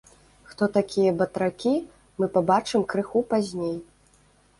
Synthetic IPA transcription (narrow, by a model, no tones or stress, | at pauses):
xt̪ɔt̪akʲʰijɐbɐt̪ɾakʲi | mɨpabat͡ʂɨmkɾɨxupazʲnʲej